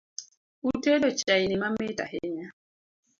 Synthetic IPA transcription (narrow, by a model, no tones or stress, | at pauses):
utelot͡ʃainimameta̰heɲa